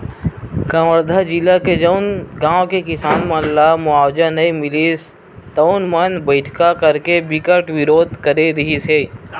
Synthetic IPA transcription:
kãːwəɾd̪ʱad͡ʒilaked͡ʒəʊnɡãːwkekɪsaːnmə̃nlamʊaːwd͡ʒanɐĩmɪliːs | t̪əʊnmɐnbəɪʈʰkakəɾkebɪkəʈʋɪɾoːd̪kəɾed̪iiseː

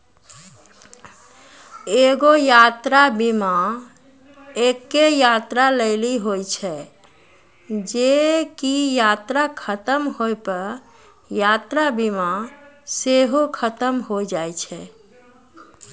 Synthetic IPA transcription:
eɡojat̪ɾabima | ekːejat̪ɾaləɪliɦojt͡ʃʰɛ | d͡ʒekijat̪ɾakʰət̪əmɦojpəɾ | jat̪ɾabimaseɦokʰət̪əmɦod͡ʒajt͡ʃʰɛ

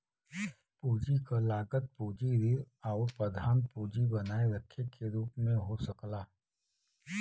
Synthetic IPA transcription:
puːd͡ʒikalaːɡət̪̚puːd͡ʒiɾiɾ | aʊɾpɾɐd̪ʱaːmpuːd͡ʒibɐnaːeʋətʰəkeɾuːpmẽɦosɐklaː

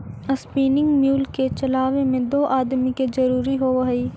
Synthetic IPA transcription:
ɐspiːnɪ̃ŋɡmjuːlket͡ʃɐlaːʋemẽd̪oːʔaːd̪miked͡ʒɐɾuːɾiɦoʋɐɦiː

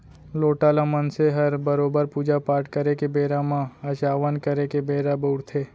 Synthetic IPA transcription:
loːʈaːlamənseɦɐɾbəɾoːbəɾpuːd͡ʒapaːɾʈkəɾekebeːɾamãɐt͡ʃaːʋənkəɾekebeːɾaboʊɽt̪ʰeː

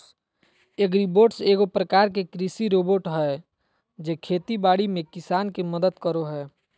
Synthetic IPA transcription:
eɡɾiboːɖseːɡopɾəkaːɾk̬ekɾisiɾoːboːʈɦɛː | d͡ʒekʰeːt̪ibaːɽimẽkɪsaːnkeməd̪əd̪kəɾoɦɛː

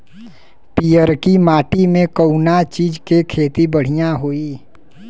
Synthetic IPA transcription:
pijəɾkimaːʈimẽkəʊnat͡ʃiːd͡ʒkekʰeːt̪ibəɽ̤ijãɦoːi

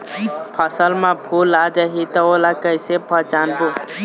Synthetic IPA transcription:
pʰəsəlmẽbʰʱulad͡ʒəɦit̪ɔolakəjsepʰət͡ʃanbu

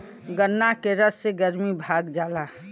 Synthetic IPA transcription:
ɡənːakeɾəsːeɡəɾmibʱaɡd͡ʒaːla

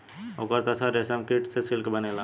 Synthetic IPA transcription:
okəɾt̪ɐsʰaɾesəmkeʈsesɪlkbənelaː

